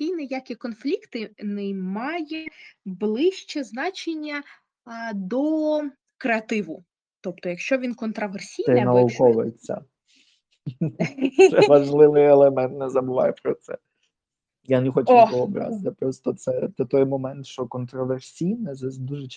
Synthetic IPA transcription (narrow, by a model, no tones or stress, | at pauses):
kʲijnejakʲikɔnflʲikt̪ɪnɛmɑjɛblˠɪʃt͡ʃɛznɑt͡ʃenʲːɐ | d̪ɔ | kɾeɐt̪ɪʋʊ | t̪ɔp̚t̪ɔjɐkʃt͡ʃɔʋʲinkɔnt̪ɾɐʋersʲijnɛnɐʊkɔʋʊjet͡sʲːɐ̰ | ʃɛʋɐʒlˠɪʋɪjelˠemɛnt̪nɛzɐbʊʋɑ̰jɛpɾɔt̪sɛ̰ | janexɔt͡ʃɛɔɔbɾɑ̰zd̪ɛpɾɔst̪ɔt̪sɛt̪ɔt̪ɔjmɔmɛnt̪ʃt͡ʃɔkɔnt̪ɾɔʋersʲijnɛzɛd̪uʒɛt͡ʃ